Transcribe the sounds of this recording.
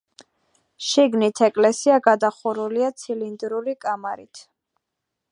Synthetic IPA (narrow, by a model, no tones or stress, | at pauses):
ʃiɡnit̪ʰɛkʼlɛsiaɡad̪aχuɾuliat̪sʰilind̪ɾuɾikʼamaɾit̪ʰ